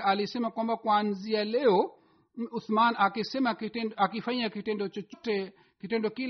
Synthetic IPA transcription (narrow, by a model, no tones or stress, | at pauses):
alisɛmakwambakwanzialɛɔ | uθmanakisɛmakiɛakifaɲakitɛndɔt͡ʃɔt͡ʃɔtɛ | kitɛndɔkil